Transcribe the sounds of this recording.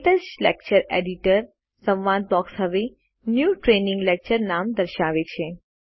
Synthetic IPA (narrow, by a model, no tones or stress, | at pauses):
t̪əslɛk̚t͡ʃəɾeɖiʈəɾ | sə̃ʋʋãːd̪̚bɔːksɦəʋe | njuːʈɾenɪ̃ŋɡlɛk̚t͡ʃəɾnaːmd̪əɾʃaʋet͡ʃʰe